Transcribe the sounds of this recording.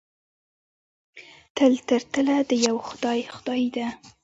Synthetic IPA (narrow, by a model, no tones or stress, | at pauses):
t̪əlt̪əɾt̪əlad̪əjawxʊd̪ɑjxʊd̪ɑjd̪a